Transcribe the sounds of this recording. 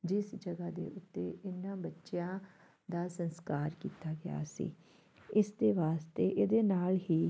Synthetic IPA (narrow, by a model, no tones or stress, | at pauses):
d͡ʒɪsd͡ʒəɡaːd̪ḛːʔʊt̪ːeːʔɪnːãːbətːʃjãː | d̪aːsənskaːɾkiːt̪aːɡɪja̰ːsḭː | ɪsd̪eːʋaːst̪eːʔed̪eːnaːlɦiː